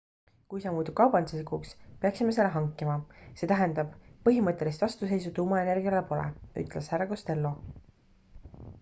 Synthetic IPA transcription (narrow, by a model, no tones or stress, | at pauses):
kujsɑmuːt̪ub̥̚kɑwbɑnd̪sesikukspeɑksime̞se̞lːeɦɑŋkːˑimɑse̞t̪æɦend̪̥ɑb̥̚pːɤɦimɤt̪ːˑe̞list̪vɑst̪use̞jsut̪uːmɑe̞ne̞rɡ̥iɑlepo̞lḛʔy̰t̪ːˑleshæɾɑko̞st̪e̞lːo̞